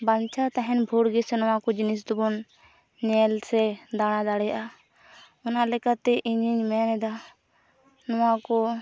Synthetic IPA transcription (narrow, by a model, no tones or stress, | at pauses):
bant͡ʃʰat̪aɦɛnbʱuɽɡisɛnɔwãkɔd͡ʒinisd̪ubɔn | ɲɛlsɛd̪aɽ̃ãd̪aɽɛjʔa | ɔnalɛkat̪ɛʔiɲiɲmɛnɛd̪a | nɔwãkɔ